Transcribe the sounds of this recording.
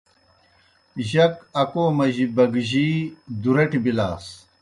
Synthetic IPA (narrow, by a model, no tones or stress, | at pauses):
ʑɐkɐkoːmɐʑibɐɡʑiːd̪uɾɐʈibila̰ːs